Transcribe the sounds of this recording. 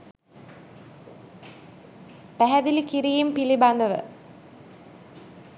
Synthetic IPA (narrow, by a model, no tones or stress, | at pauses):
pæɦæd̪ilikiɾijimpiliband̪əʋə̰